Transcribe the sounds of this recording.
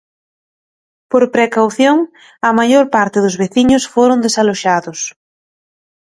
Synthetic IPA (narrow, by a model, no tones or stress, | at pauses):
poɾpɾekawθjoŋ | ɐmajoɾpaɾt̪ɪðʊzβeθiɲʊsfoɾʊnd̪esaloʃaðʊs